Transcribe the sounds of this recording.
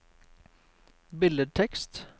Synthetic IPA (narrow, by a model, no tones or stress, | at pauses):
bɪləʈ̪ʰɛkst̪